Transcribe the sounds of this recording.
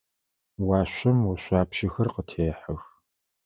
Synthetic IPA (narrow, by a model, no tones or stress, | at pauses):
wɑːɕʷɐmwʊɕʷɑːpʃɪxɐrqətʰeːħəx